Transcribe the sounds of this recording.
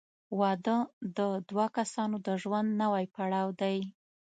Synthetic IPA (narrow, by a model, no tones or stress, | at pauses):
wɑd̪əd̪əd̪wɑkasɑnod̪əʒwand̪nawajpaɽɑwd̪aj